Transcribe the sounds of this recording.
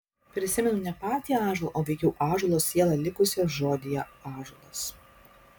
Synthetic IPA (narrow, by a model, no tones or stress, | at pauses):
pʲɾʲɪsʲɪmʲɛnʊnʲɛpɑːt̪ʲiːjɑːʒolˠʔoːʋʲɛɪkʲɛʊʔɑːʒulˠoːsːʲiɛlˠɑlʲɪkʊsʲoʒoːd̪ʲɪjɛɑːʒulˠos